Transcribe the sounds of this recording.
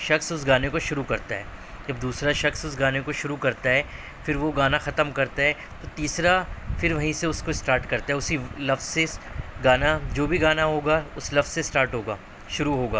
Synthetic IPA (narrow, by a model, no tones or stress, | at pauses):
ʃɐksʊsɡaːnekoʃʊɾukɐɾt̪aɦɛː | d͡ʒɐbd̪uːsɾaʃɐksʊsɡaːnekoʃʊɾukɐɾt̪aɦɛː | fɪɾʋoɡaːnaxɐt̪əmkɐɾt̪aɦɛ | t̪ot̪iːsɾafɪɾʋɐɦĩseʊskoɪsʈaːɾʈkɐɾt̪aɦɛʊsilɐfzseɡaːnad͡ʒoːbʱiɡaːnaɦoːɡaʊslɐfssesʈaːɾʈɦoːɡa̰ː | ʃʊɾuɦoːɡa̰ː